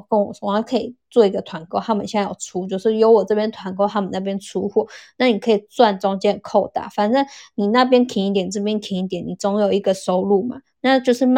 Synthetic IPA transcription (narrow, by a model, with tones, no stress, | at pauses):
kə˥nwɔ˨˩t͡sʰʊ˨˩˦jkʰɤ˧˥ḭ˨˩t͡swɔ˥˩i˧˥ɡə˨t̪ʰwa˧˥nko˥ʊtʰa˥mə˨nɕjjɑ̰˨˩ʊʈ͡ʂʰu˥t͡ɕjo˥˧ʊʂɻ̩˥˩jo˧˥ʊwɔ˨˩t͡sɤ˥˩pjɛ˥nt̪ʰwa˧˥nko˥ʊt̪ʰa˥˩mə˨na˥˩p̬jɛ˥nʈ͡ʂʰu˥xwɔ˥˩na˥˩ni˨˩kʰɤ˧˥i˨˩t͡swa˥˩nʈ͡ʂʊ˥ŋt͡ɕjɛ˥˨˩kʰo˥˧ʊt̪a̰˥˩fa˨˩nʈ͡ʂə˥˩ni˨˩na˥˩p̬jɛ˥nkʰi˧˥ni˥t̪jɛ˨˩n˩ʈ͡ʂɤ˥˩p̬jɛ˥nkʰi˧˥ni˧˥˩t̪jɛ˨˩ni˨˩t͡sʊ˥ŋjo˨˩ʊi˧˥ɡə˨ʂo˥ʊlu˥˩ma˩ | na˥˧t͡ɕjo˥˧ʊʂɻ̩˥˧m˥